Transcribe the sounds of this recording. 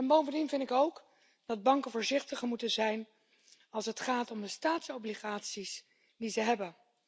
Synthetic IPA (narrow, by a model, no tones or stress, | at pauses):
ɛnbowvəndinvɪntɪkowk | dɑd̚bɑŋkəvʊːɹzɪχtəχəmutənzɛjn | ɑlˠsɦətχaːtɔmdəstaːtsowbliχaːtsis | dizəɦɛbən